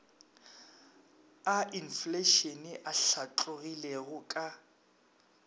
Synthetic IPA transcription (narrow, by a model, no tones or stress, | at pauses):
aʔinfleʃɔnɪʔaɬat͡ɬʼʊɣileɣʊkʼa